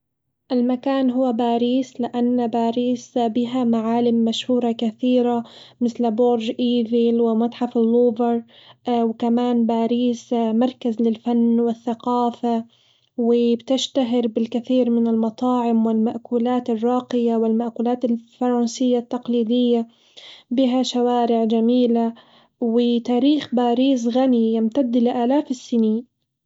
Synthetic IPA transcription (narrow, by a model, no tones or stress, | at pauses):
ʔalmakaːnɦʊwːabaːɾiːslɪʔanːbaːɾiːsbɪɦamaʕaːlɪmːaʃhuːɾˤɑkaθiːɾamɪθlboːɾʒʔiːvilwɪmɑt̪ˤħɑfɪlːoːvɪɾwkamaːnbaːɾiːsmɑɾˤkazlɪlfanːwɪθːaqɑːfa | wɪbt̪ɪʃt̪aɦɪɾbɪlkɪθiːɾmɪnɪlmɑt̪ˤɑːʕɪmwɪlmaʔkuːlaːt̪ɪrˤːɑːqɪjawɪlmaʔkuːlaːt̪ɪlfɑɾˤɑnsɪjːat̪ːɑqliːd̪ɪjːa | bɪɦaʃawaːɾɪʕd͡ʒamiːla | wɪt̪aːɾiːxbaːɾiːs̬ɣanijɪmt̪ad̪ːlɪʔaːlaːfɪsːɪniːn